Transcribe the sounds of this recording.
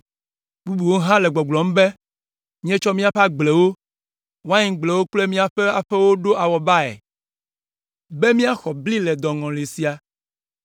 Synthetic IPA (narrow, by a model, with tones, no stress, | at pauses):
bu˦bu˨wo˦ɦã˦le˨ɡ͡bɔ˨ɡ͡blɔ̃˨m̩˦be˦ | mĩ˦ɛ̃˦t͡ʃɔ˦mĩ˦a˨ɸa˦ɡ͡ble˨wo˦ | wa˦ɲĩ˨ɡ͡ble˨wo˦k͡ple˦mĩ˦a˨ɸe˦a˨ɸe˦wo˦ɖo˦ʔa˨wɔ˨ba˦ḛ˨ | be˦mĩ˦a˦xɔ˨bli˦lɛ˨d̪ɔ˨ŋɔ̃˨li˨si˨a˨